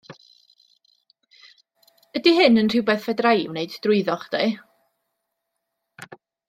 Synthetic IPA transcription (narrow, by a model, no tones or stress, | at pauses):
ədiɦɨnənr̥ɪwbɛθvɛdrajwneɨdd̥rʊɨðɔχd̥e